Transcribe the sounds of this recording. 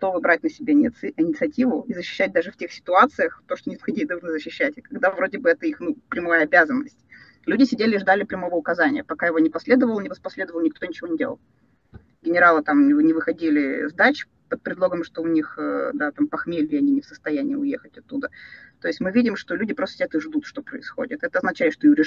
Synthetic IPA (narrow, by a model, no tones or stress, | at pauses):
ɡɐt̪o̞vɨbɾat̚ʲnəsʲɪbʲeɪnʲɪt̪sɨɐtʲivʊizəɕːɪ̥ɕːæt̚ʲd̪aʐɨftʲexsʲɪ̥t̪ʊat̪sɨjəxt̪o̞ʂt̪onʲɪt̪xɐdʲejd̪ɐlˠʐnɨzəɕːɪɕːætʲɪkɐɡd̪avɾo̞dʲɪbɨɛt̪əixnupɾʲɪmoajəɐbʲazənːəsʲtʲ | lʲʉdʲɪsʲɪdʲelʲɪʐd̪alʲɪpɾʲɪmo̞vəʊkɐzanʲɪ̰jəpɐkajɪvo̞nʲɪpɐsʲlʲe̞d̪əvəlˠnʲɪvəspɐsʲlʲed̪əvəlˠnʲɪk̚t̪onʲɪt͡ɕɪvonʲɪdʲel̰ˠlˠ | ɡʲɪnʲɪɾalˠɨt̪amnʲɪvɨxɐdʲilʲɪzd̪at͡ɕ | pət̪̚pɾʲɪd̪lˠo̞ɡəmʂt̪o̞ʊnʲixəd̪at̪ampɐxmʲelʲɪɐnʲinʲɪfsəst̪ɐjænʲɪ̰jəʊjexətʲɐt̪ːud̪ət̪o̞ɪsʲtʲmɨvʲidʲɪmʂt̪o̞lʲudʲɪpɾost̪əsʲɪdʲat̪ɨʐd̪ut̪ʂt̪o̞pɾə̰ɪsxo̰dʲɪt̪ɛt̪əɐznɐt͡ɕæɪt̪ʂt̪oiɾʲɪ